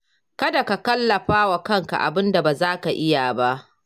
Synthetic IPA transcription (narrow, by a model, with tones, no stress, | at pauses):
kɐ˦da˨ka˨kɐ˦lːɐ˨ɸaː˦wa˨kɐ˦˨ŋka̰˨ʔa̰˨bɪ˦nda˨baː˨zaː˦ka˨ʔɪ˦ja˨ba˦ʔ